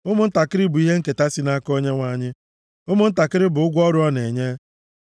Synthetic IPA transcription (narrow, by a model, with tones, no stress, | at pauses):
ʊ˦mʊ˦n̩˦ta˨kɪ˦ɾɪ˦bʊ˨i˦ɦe˦ŋ̩˦ke˨ta˦si˦na˦ko˦ɲe˦ŋʷa˦ɲɪ˦ | ʊ˦mʊ˦n̩˦ta˨kɪ˦ɾɪ˦bʊ˨ʊ˦ɡʷɔ˦ɾʊ˦ɔ˦ne˨ɲe˦